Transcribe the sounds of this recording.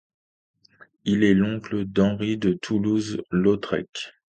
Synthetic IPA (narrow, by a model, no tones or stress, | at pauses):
ilɛlɔ̃kləd̪ɑ̃ʁid̪ət̪ʰuluzlɔt̪χɛ̰k